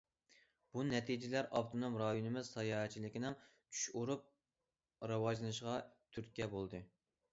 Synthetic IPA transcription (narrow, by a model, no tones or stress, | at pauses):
b̥unɛt̪ʰid͡ʒilæɾʔɑpt̪ʰonomɾɑjunɨmɪz̥sɑjɑːɦɛt͡ʃʰilɪkʲinɪŋ | t͡ʃʰy̥ʃuɾup̚ | ɾɑwɑʒlˠɨnɨʃʁɑt̪ʰyɾkʲɛbolˠd̪ɨ